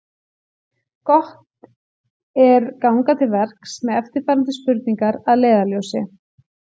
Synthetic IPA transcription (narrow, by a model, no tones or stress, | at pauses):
kɔht̪ | ɛɾkawŋkat̪ʰɪlvɛr̥ksmɛðɛft̪ɪɾ̥faːɾant̪̬ɪspʏɾt̪̚niŋkaɾaðleːðaljowsɪ